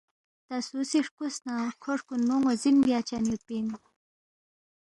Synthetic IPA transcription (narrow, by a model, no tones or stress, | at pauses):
t̪asusiʂkusnakʰoʂkunːuŋozinbjat͡ɕanjupin